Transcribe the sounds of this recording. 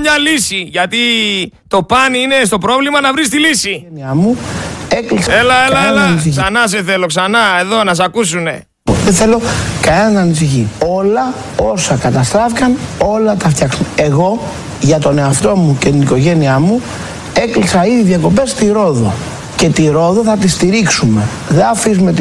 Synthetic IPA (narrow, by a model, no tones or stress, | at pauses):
mɲɐlisiʝɐt̪it̪o̞pɐnine̞s̬t̪o̞pɾo̞vlimɐnɐvɾis̬t̪ilisieniɐmue̞kliselɐeeɐnis̬içsɐnɐs̬eθeloksɐnɐe̞ðo̞nɐs̬ɐkus̬une̞̰ | ðeθe̞lo̞kɐeɐːnis̬içio̞lɐ | o̞sɐkɐt̪ɐst̪ɾɐfikɐno̞lɐt̪ɐft̪çɐksune̞ɣo̞ | ʝɐt̪o̞ne̞ɐft̪o̞muce̞t̪iniko̞ʝe̞niɐmu | e̞klisɐiðiðjɐko̞pe̞st̪iɾo̞ðo̞̰ | ce̞t̪iɾo̞ðoθɐt̪̬ist̪iɾiksume̞ | ðeɐfizumet̪